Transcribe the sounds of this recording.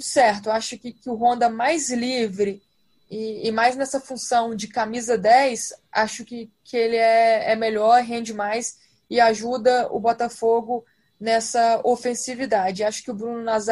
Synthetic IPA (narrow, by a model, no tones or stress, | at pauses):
sɛɾt̪ʊaʃʊkɪkɪʊɦõnd̪ɐmajzlivɾɪ | ɪːmajznɛsɐfũsɐ̃w̃d͡ʒɪkamizɐd̪ɛjsa̰ʃʊkɪkʰɪelɪɛɛmeʎɔɾɦẽnd͡ʒɪmajs | ɪaʒud̪ɐʊ̰bɔt̪ɐfoɡʊ | nɛsɐofẽsivid̪ad͡ʒɪaʃʊ̥kɪʊbɾũnʊnaz